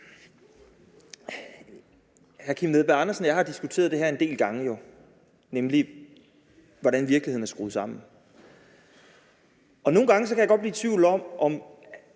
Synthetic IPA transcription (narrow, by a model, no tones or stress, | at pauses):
hæɐkʰimneðˠb̥æɑ̈nɐsn̩jɑ̈ɪhɑ̈d̥isɡ̥ut͡sʰe̝̰ːɐð̥ˠeɦæɐe̝nde̝̰ːlɡ̥ɑ̈ŋəjo̝ | nemli | ʋɒɾænʋiɐ̥lihe̝̰n̩æɐsɡ̥ʁṵːð̩ˠsɑ̈m̰n̩ | ɒ̽no̝ːn̩ɡ̥ɑ̈ŋəs̬ɒ̽kʰæjɑɡɒ̽d̚b̥liːt͡sʰʋiʊ̰ld̥ɒ̽m̰ʔɒ̽m